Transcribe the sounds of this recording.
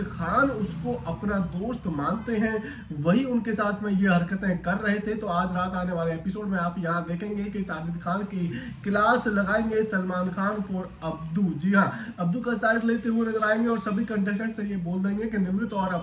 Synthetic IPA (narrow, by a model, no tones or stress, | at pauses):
xaːnʊskoʔɐpnad̪oːst̪maːnt̪eɦɛ̃ | ʋɐɦiʊnkesaːt̪ʰmẽjeɦɐɾkət̪ẽkɐɾːɐɦet̪ʰet̪oaːd͡ʒɾaːt̪aːneʋaːleeːpɪsoːɖmẽaːpjɐɦãd̪eːkʰẽːŋ̆ɡekisaːd̪ɪd̪xaːnki | kɪlaːslɐɡaːẽːŋɡesɐlmaːnxaːnpoːɾ | ɐb̚d̪ud͡ʒiɦãɐb̚d̪ukasaːɪɖ̪leːt̪eɦuenɐzəɾaːẽːŋɡeɔːɾsɐbʱikɐ̃ɳʈɛːʃəɽsẽjeboːld̪eẽːŋɡekinɪmɾɪt̪ɔːɾɐ